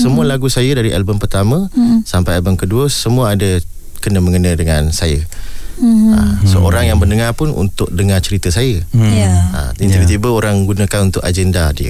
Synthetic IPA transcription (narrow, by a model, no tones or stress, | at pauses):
səmũəlaɡusajədaɾiʔalbəmpərt̪amə̃sampajalbəmkəduəsəmũəadə | kənəmə̃ŋənə̃dəŋansajə | a̰səʔo̰ɾaŋjaŋbərndəŋapʊnṵnt̪ʊʔ̚dəŋat͡ʃəɾit̪əsajə | a̰int̪ibət̪ibəoɾaŋɡunə̃kanunt̪ʊkad͡ʒɛndadiə̰